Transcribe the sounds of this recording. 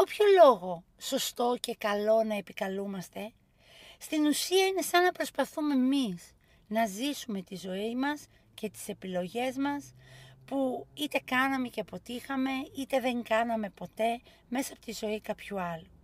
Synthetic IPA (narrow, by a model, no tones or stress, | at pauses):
opço̞lo̞ɣo̞ | so̞st̪o̞ce̞kɐlo̞nɐe̞pikɐlumɐst̪e̞ | st̪inusiɐine̞sɐnːɐpɾo̞spɐθume̞mis | nɐzisume̞t̪izo̞imɐs | ce̞t̪i̥se̞pilo̞ʝe̞zmɐspuit̪e̞kɐnɐme̞ce̞po̞t̪ixɐme̞it̪e̞ðe̞ŋɡɐnɐme̞po̞t̪e̞ | me̞sɐɐpo̞̥t̪izo̞ikɐpçuɐlu